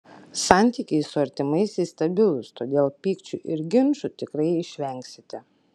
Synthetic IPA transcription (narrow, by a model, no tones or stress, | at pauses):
sɑˑnʲt̪ʲiːkʲɛɪsʊɐɾʲt̪ʲɪmɐɪsiːst̪ɐbʲɪlˠʊst̪oːd̪ʲeːlˠpʲiːkt͡ʃʲuʔɪɾɡʲɪnʃʊt̪ʲɪkɾɐɪɪʃʲʋʲɛˑŋʲksʲɪt̪ʲɪ